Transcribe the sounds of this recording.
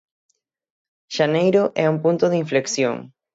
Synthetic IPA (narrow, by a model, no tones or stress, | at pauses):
ʃanejɾoʔɛuŋpũnt̪oðɪiɱfleksjo̰ŋ